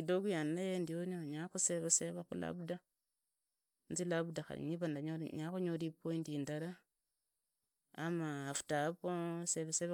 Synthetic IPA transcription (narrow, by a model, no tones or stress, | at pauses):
idoɡujanajendionioɲaxuseβeseβakṵla̰bda | nzilabdaxa̰ɾḭɲiβandaɲoɲakuɲodipoindindaɾa | maːfu̥taposeβeseβa